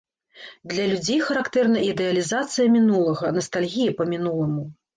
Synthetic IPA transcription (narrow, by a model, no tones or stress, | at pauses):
d̪lʲɐlʲud͡zʲejxɐɾakt̪ɛrnɐʔid̪ɛɐlʲizat̪sɨjɐmʲinulˠɐɣɐnɐst̪alʲɣʲijipɐmʲinulˠɨmu